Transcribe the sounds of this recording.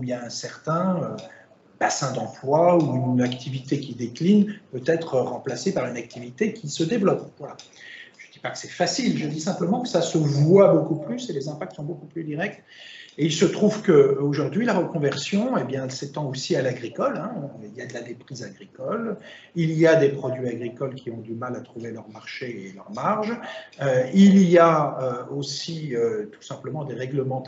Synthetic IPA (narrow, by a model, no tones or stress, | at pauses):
ujaɛ̃sɛʁt̪ɛ̃ø | b̥asɛ̃d̪ɑ̃plwauynakt̪ʰivit̪ekʲid̪eklinpøt̪ɛt̪χəʁɑ̃plasepaʁynak̚t̪ʰivit̪ekʲisəd̪evlɔpvwalaʒ̥əd̪ipakə̥sɛfasilʒəd̪isɛ̃pləmɑ̃kə̥sasəvwabokuplyselezɛ̃pak̚t̪sɔ̃bokuplyd̪iʁɛk̚t̪ | eilsət̪χuvkəoʒuʁd̪ɥilaʁəkɔ̃vɛʁsjɔ̃ebjɛ̃ɛlset̪ɑ̃osialaɡʁikɔlɛ̃iljad̪əlad̪epχizaɡʁikɔl | ilijad̪epχɔd̪ɥiaɡʁikɔlkʲʰiɔ̃d̪ymalat̪χuvelœʁmaʁʃeelœʁmaʁʒøilijaøosiøt̪u̥sɛ̃pləmɑ̃d̪eʁɛɡləmɑ̃